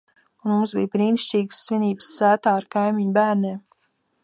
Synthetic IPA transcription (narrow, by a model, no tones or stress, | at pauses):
unmumsbḭjbɾiːnʃt͡ʃiːɡsːvʲinʲiːbsːæːt̪aːɾkajmiɲubæːɾnʲeːm